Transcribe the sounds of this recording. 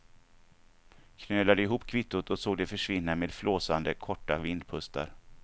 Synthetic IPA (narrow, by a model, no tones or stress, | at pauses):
kʰnøːlad̪əɪɦuːpːkʰvɪt̪ːʊt̪ɔsoːɡd̪ɛfœʂvɪnːameːd̪floːsand̪əkʰɔʈːavɪnd̪̚pʰɵst̪ʰa̰ɾ